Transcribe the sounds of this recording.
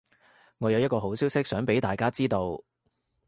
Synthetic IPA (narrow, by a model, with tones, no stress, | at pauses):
ŋɔː˨˧jɐ˨wjɐ˥t̚kɔː˧ɦo˨˥wsiː˥wsɪ˥k̚sœː˨˥ŋpe˨˥jt̪aː˨jkaː˥t͡siː˥t̪o˧w